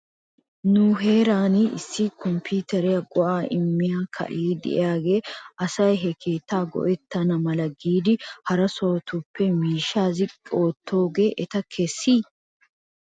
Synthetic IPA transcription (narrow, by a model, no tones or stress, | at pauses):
nʊɦe̞ːɾaːnɪɪ̰sːɪkɔmpʰiːt̪ɛɾɪjɐɡɔʔaːʔɪmːɪjaːkʰɐ̰ʔeːd̪ɛ̰ʔɪ̰jaːɡe̞ːʔɐsɐjɦɛkʰe̞ːt̪ːaːɡɔ̰ʔɛt̪ːɐnɐmɐlɐɡiːd̪ɪhɐɾɐsoːt̪ʊpʰːɛmiːʃaːzɪkʼo̞ːt̪ʰːo̞ːɡe̞ːʔɛt̪ɐkʰɛsːiː